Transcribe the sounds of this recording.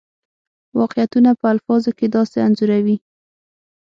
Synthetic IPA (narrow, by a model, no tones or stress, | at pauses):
wɑqejat̪unapəalfɑzoked̪ɑseanzuɾawi